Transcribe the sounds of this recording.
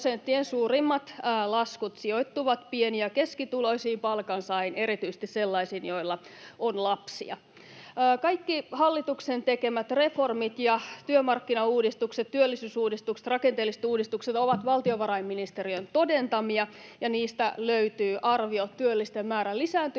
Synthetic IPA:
sent̪ːiensuːrimːɑt̪ːlɑskut̪siojt̪ːuʋɑt̪pieniækeskit̪ulo̞isiːmpɑlkɑnsɑineɾit̪yise̥st̪isselːɑisiːnjo̞ilːɑonlɑpsḭɑ̰ː | kɑikːihɑlːit̪uksent̪ekemæt̪refo̞rmit̪jɑt̪yømɑrkːinɑuːdist̪ukset̪t̪yølːisyːsuːdist̪ukse̥t̪rɑkent̪eːlːise̥t̪uːdist̪ukset̪oʋɑt̪ʋɑlt̪ioʋɑɾɑimːinist̪eɾiønt̪odent̪ɑmiɑjɑniːst̪æløyt̪yːʔɑrʋiot̪tːyølːist̪emmæːɾælisæːnt̪y

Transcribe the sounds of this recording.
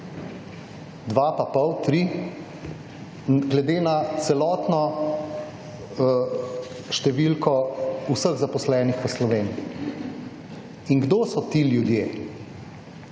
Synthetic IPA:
d̪ʋaːpapəwt̪ɾi | ɡlɛd̪eːnat̪sɛlɔːt̪nɔ | ʃt̪ɛʋilkɔusəɣzapɔslɛːnixʋəslɔʋeːni | iŋɡd̪oːsɔt̪iljud̪jeː

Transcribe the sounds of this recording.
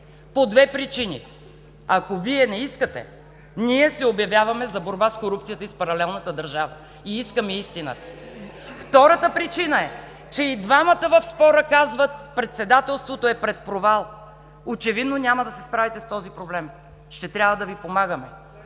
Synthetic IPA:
pod̪vɛpɾit͡ʃinḭ | ɐkoviɛnɛiskət̪ɛ̰ | niɛsɛobjɐvʲjavɐmɛzɐboɾbaskoɾupt̪sijət̪əispɐɾɐlɛlˠnət̪əd̪ɐɾʒavə̰ | iiskəmɛist̪inə̰t̪ə̥ft̪ɔɾət̪əpɾit͡ʃinəɛ | t͡ʃɛid̪vamət̪əvɐfspɔɾəkazvət̪pɾɛt̪sɛd̪at̪ɛlˠst̪vot̪oɛpɾɛt̪̚pɾovalˠ | ot͡ʃɛvid̪nonʲaməd̪ɐsɛspɾavit̪ɛst̪ɔzipɾoblɛm | ʃt̪ɛt̪ɾʲavəd̪ɐvipomaɡəmɛ

